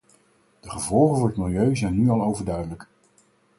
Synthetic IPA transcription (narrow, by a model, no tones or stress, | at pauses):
d̥əχəvɔlˠχəvʊːɹətmɪlˠjøɥzɛjnːyɑlˠowvəɹdœɥdələk